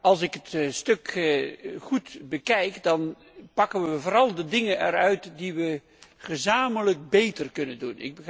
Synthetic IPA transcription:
ɑlˠsɪkɦətstɵk | χutbəkɛjkdɑn | pɑkənʋəvoːɾɑlˠdədɪŋənɛɾœɥtdiʋə | χəzaːmələk̚bejtərkɵnəndunɪ̰ɡ̚bə

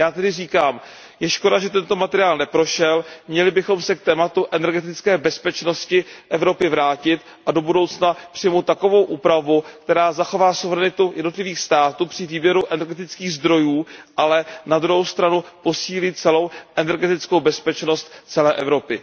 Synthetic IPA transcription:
jaːt̪ɛdɪriːkaːm | jɛʃko̞daʒɛt̪ɛnt̪o̞mat̪ɛɾɪaːlnɛpɾo̞ʃɛlmɲɛlɪbɪxo̞msɛk̚t̪ɛːmat̪uʔɛnɛɾɡɛt̪̬ɪt͡skɛːbɛspɛt͡ʃnoscɪʔɛvɾo̞pɪvɾaːcɪt̪ | ʔado̞budo̞wt͡snapr̥ɪjmowt̪ːako̞vo̞wʔuːpɾavukt̪ɛɾaːzaxo̞vaːsuvɛɾɛnɪt̪ujɛdno̞t̪lɪviːxst̪aːt̪uːpr̝̥ɪviːbjɛɾuʔɛnɛɾɡɛt̪ɪt͡skiːɣzd̪ɾo̞juːʔalɛnad̪ɾuɦowst̪ɾanupo̞siːlɪt̪̚t͡sɛlo̞wʔɛnɛɾɡɛt̪ɪt͡skowbɛspɛt͡ʃno̞st̪t͡sɛlɛːʔɛvɾo̞pɪ

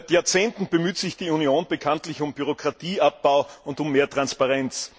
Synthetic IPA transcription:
tjaːɐt͡seːntn̩b̥əmyːtz̥ɪçd̥iːunjoːnb̥əkʰantlɪçʊmbyʁ̞okʁ̥atʰiːʔap̚b̥aʊʊntʊmːeːɐtʁ̥anspaʁɛnt͡s

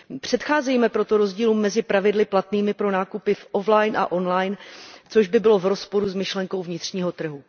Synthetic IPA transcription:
pr̝̥ɛt̪xaːzɛjmɛpɾo̞t̪o̞ɾo̞zɟiːluːmːɛzɪpɾavɪdlɪplat̪niːmɪpɾo̞naːkupɪfʔoflajnʔa̰ʔo̞nlajnt͡so̞ʒbɪbɪlo̞vɾo̞spo̞ɾuzmɪʃlɛŋko̞wvɲɪt̪r̝̥ɲiːɦo̞t̪r̩ɦu

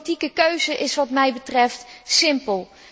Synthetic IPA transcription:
tikəkøɥzəʔɪsʋɑtmɛjbətrɛftsɪmpəlˠ

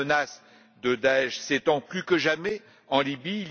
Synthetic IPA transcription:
nas | d̪əd̪aɛʃset̪ɑ̃plykəʒamɛ | ɑ̃libiːl

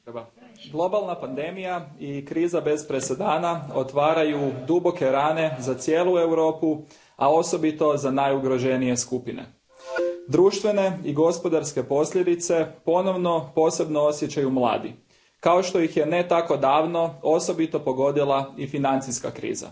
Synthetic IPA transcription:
ɡlˠo̞balˠnapand̪e̞mijaikɾiːzabe̞zpɾesed̪aːnaot̪ʋaːɾajud̪ubo̞ke̞ɾaːne̞zat̪sjeːlˠue̞wɾo̞ːpu | ao̞so̞bit̪o̞zanajuɡɾo̞ʒe̞nije̞skupinḛ | d̪ɾuːʃt̪ʋe̞ne̞iɡo̞spo̞d̪aɾske̞po̞sʎʲed̪it̪se̞po̞no̞ʋno̞po̞ːse̞bnoo̞sjet͡ɕajumlˠa̰ːd̪ḭ | kao̞ʃt̪o̞jixje̞ne̞t̪ako̞d̪aːʋno̞o̞so̞bit̪o̞po̞ɡo̞d̪ilˠaifinant̪siskakɾḭːza̰

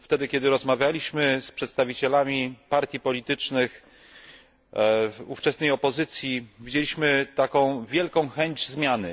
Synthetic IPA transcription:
ft̪ɛd̪ɘkʲɛd̪ɘɾɔzmavʲjalʲiɕmɘspʂɛt̪st̪avʲit͡ɕɛlamʲipaɾt̪ʲjipɔlʲit̪ɘt͡ʂnɘx | uft͡ʂɛsnɛjɔpɔzɘt̪sʲjivʲid͡ʑelʲiɕmɘt̪akɔ̃w̃vʲjɛlkɔ̃w̃xɛɲd͡ʑzmʲjanɘ

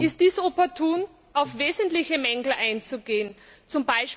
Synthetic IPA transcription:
ɪst̚d̥iːsopɔɐtʰuːn | ʔaʊfveːzntlɪçəmɛŋɡl̩ʔaɪnt͡suɡeːənt͡sʊmbaɪʃ

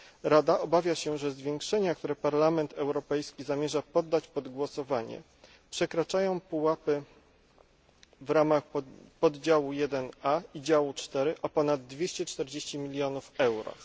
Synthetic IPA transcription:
ɾad̪aʔɔbavʲjaɕɛʐɛzvʲjeŋkʂɛɲakt̪uɾɛpaɾlamɛnt̪ɛwɾɔpɛjskʲizamʲjɛʐapɔd̪ːat͡ɕpɔd̪ɡwɔsɔvaɲɛ̰ | pʂɛkɾat͡ʂajɔ̃w̃puwapɘ | vɾamaxpɔd̪d͡ʑawujɛd̪ɛnaid͡ʑawut͡ʂt̪ɛɾɘʔɔpɔnad̪̚ːvʲjeɕt͡ɕɛt͡ʂt̪ɛɾd͡ʑeɕt͡ɕimʲilʲjɔnufɛwɾɔ̰

